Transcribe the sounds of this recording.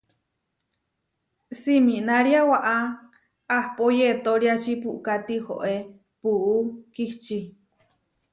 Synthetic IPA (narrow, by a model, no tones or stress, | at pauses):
siminaɾjawaʔa | ahpojet̪oɾiat͡ʃipuʔkat̪iho̰ʔe | puukiht͡ʃi